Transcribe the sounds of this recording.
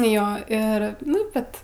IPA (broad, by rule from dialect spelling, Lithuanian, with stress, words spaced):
ˈjoː ˈɪr ˈnʊ ˈbʲɛt